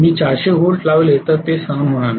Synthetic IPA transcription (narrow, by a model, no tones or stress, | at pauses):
miːt͡ɕaɾɕeɦoɾlaʋljet̪ət̪esaŋɡənm̤əɽ̃an